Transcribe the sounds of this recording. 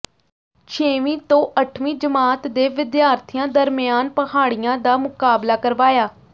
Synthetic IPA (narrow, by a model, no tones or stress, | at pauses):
t͡ʃʰeːʋĩːt̪õːʔəʈʰʋĩːd͡ʒəmaːt̪d̪eːʋɪd̪jaːɾt̪ʰɪjãːd̪əɾmɪjaːnpəhaːɽijãːd̪aːmʊkaːblaːkəɾʋaːjaː